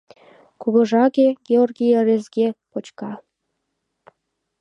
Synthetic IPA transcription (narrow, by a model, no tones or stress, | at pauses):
kuβɤ̆ʒɑɣeɡeorɡʲijaɾezɡʲepot͡ɕkɑ